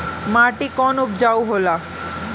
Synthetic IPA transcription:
maʈikɔnupd͡ʑawɦola

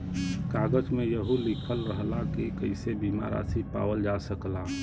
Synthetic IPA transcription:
kaɡəd͡ʒmejəɦulikʰəlɾəɦlakikəɪsebima̰ɾa̰sipa̰ːwəld͡ʒasəkla

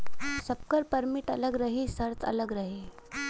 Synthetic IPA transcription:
səp̚kəɾpəɾmiʈələɡɾəɦisəɾt͡sə̰ləɡɾəɦi

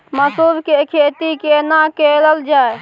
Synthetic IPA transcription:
məsubkekʰet̪ikenakeləld͡ʒaːe

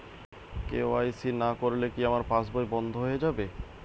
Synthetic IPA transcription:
kḛoajsinakoɾlekiamaɾpãsbojbɔnd̪ʱoɦoed͡ʑabe

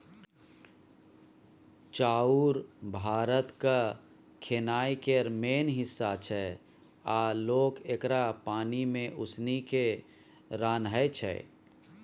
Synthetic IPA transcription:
t͡ʃaːuɾbʱaːɾət̪ka | kʰenaːikeɾmeːnɦɪsːat͡ʃʰɛ | aːloːkekɾapaːnimẽʔʊsnike | ɾaːnɦəet͡ʃʰɛ̰

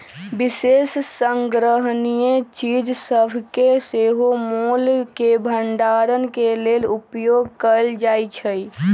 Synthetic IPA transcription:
bisesːəŋɡɾəɦnijet͡ʃid͡ʒsəbʱkeseɦomolkebʱəɳɖaɾənkelelupjoɡkəld͡ʒajt͡ʃʰəj

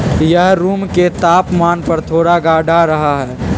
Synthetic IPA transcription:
jəɦɾuːmket̪aːpmaːnpɐɾt̪ʰoːɽaɡaːɖʱaɾɐɦaɦɛː

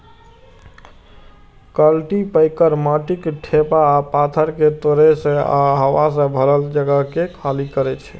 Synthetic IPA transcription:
kəlʈipəɪkəɾmaʈikʈʰepaːpat̪ʰəɾket̪oɾesẽa̰ɦəwas̬ə̃bʱəɾəld͡ʒəɡəɦkekʰalikəɾɛt͡ʃʰɛ̥

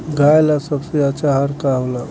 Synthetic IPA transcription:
ɡʱajlasəbseat͡ʃaɦaɾkaɦla

